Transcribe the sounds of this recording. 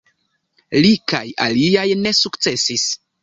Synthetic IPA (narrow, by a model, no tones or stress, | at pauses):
lika̰ja̰liajne̞sukt͡se̞sis